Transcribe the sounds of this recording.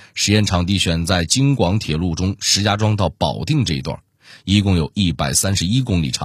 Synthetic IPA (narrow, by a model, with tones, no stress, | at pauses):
ʂɻ̩˧˥jɛ˥˩nʈ͡ʂʰɑ˨˩ŋt̪i˥˩ɕɥɛ˨˩nt͡sa˥˩ɪt͡ɕi˥ŋkwɑ˧˥ŋt̪ʰjɛ˨˩lu˥˩ʈ͡ʂʊ˥ŋʂɻ̩˧˥t͡ɕja˥ʈ͡ʂwɑ˥ŋt̪ɑ˥˩ʊpɑ˨˩ʊt̪i˥˧ŋʈ͡ʂɤ˥˩i˧˥t̪wa̰˥˩ | i˧˥kʊ˥˩ŋjo˨˩ʊi˥˩pa˨˩ɪsa˥nʂɻ̩˧i˥kʊ˥ŋlḭ˨˩ʈ͡ʂʰɑ̰˨˦ŋ